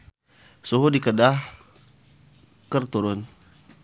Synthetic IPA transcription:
suɦudikədah | kərt̪uɾʊn

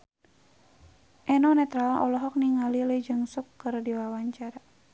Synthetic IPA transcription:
ʔɛnɔnɛt̪ɾalɔ̰lɔɦɔk̚niŋaliləd͡ʒɨŋsukːɨrdiwawaɲt͡ʃaɾa

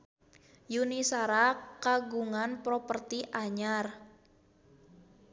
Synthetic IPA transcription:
junisaɾakaɡuŋanpɾopərt̪iʔaɲar

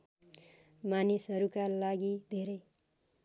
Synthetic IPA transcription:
manisɦʌɾukalaɡid̪ʱeɾʌj

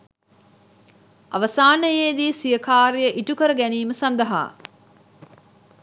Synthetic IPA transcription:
a̰ʋəsaːnəjeːd̪iːsijəkaːɾijəʔiʈukəɾəɡæniːməsand̪ɐɦa̰ː

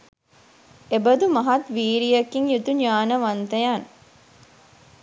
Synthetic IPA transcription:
ebəd̪umaɦat̪ʋiːɾijəkiŋjut̪uɲaːnəʋant̪əjan

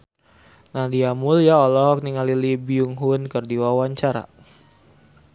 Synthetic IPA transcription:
nahdiamʊljaolɔkniŋalilibiuŋɦʊnkərdiwawaɲt͡ʃaɾa̰

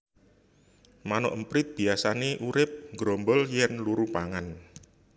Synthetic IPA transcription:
manɔ̰ʔəmpɾɪt̪̚b̥i̤asaneʔuɾɪp̚ŋɡɾombəljɛnluɾupaŋan

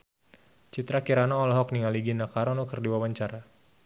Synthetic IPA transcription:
t͡ʃit̪ɾakiɾanaɔlɔɦɔk̚niŋaliɡinakaɾɔnɔkərdiwawaɲt͡ʃaɾa

